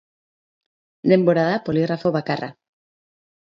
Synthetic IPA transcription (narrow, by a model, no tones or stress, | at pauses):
d̪emboɾaðapoliɣrafoβakara̰